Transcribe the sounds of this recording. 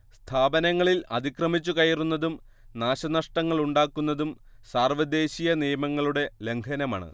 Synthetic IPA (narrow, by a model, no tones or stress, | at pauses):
st̪ʰaːbɐnɐŋːɐɭilɐd̪ikrɐmit͡ɕːukɐjɐrunːɐðum | naːɕɐnɐʂʈɐŋːɐɭuɳɖaːkːunːɐðum | saːrʋɐd̪e̞ːɕijɐnijɐmɐŋːɐɭuɽe̞le̞ŋkʰɐnɐma̰ːɳɨ̰